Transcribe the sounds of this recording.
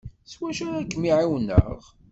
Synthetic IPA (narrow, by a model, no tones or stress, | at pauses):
swæʃæɾækːmiʕiwnːə̰ʁ